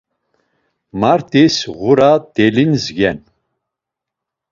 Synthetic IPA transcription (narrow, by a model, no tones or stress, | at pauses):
maɾt̪ʰʼisʁuɾad̪̥ɛlinzɡɛn